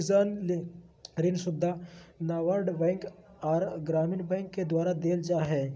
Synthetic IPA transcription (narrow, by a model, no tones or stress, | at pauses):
zaːn | ɾɪnsʊd̪ʱːanaːʋaɾɖbɛ̃ːŋk | aːɾɡɾaːmɪnbɛ̃ːŋkːed̪waːɾad̪eːld͡ʒaːɦɛː